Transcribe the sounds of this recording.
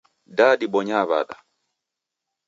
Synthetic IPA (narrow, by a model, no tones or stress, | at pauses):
daːdiɓɔɲaːva̰ɗa̰